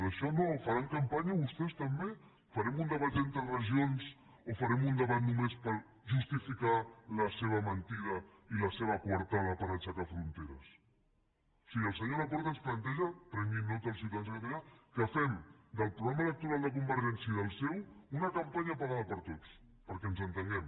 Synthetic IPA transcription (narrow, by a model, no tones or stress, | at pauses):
əʃɔnofɐɾaŋkɐmpaɲɐβust̪ɛst̪əmbe | fɐɾɛmund̪əβat̪̚d̪ɛnt̪ɾərəʒions | ofɐɾɛmund̪əβat̪numespəɾ | ʒust̪ifikaləseβ̞ɐmənt̪iɾɐiləseβəkwɐɾt̪aðəpəɾat͡ʃakafɾunt̪eɾə̰s | osiɣəːlˠsəɲoləpɔɾt̪ənsplɐnt̪ɛʒəp̪ɾəŋinnːot̪əlˠs̬uwt̪aðenzðəkət̪aʎakəfɛmd̪əlˠpɾuɣɾamələk̚t̪uɾalˠd̪əkumbəɾʒɛnsiəiðəlˠsɛwunəkəmpaɲəpaɣaðəpəɾt̪ot͡s | pəɾkɛnzənt̪əŋɡɛm